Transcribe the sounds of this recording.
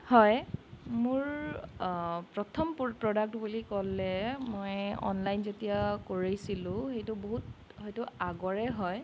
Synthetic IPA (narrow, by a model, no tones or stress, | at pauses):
hɔjmʊɹ | pɹɔtʰɔmpɹɔdak̚tbulikɔlːɛmojɔ̰nlajnzetijakoɹijsilʊ̃xejtʊboɦut̚ | ɦɔjtʊaɡɔɹɛɦɔj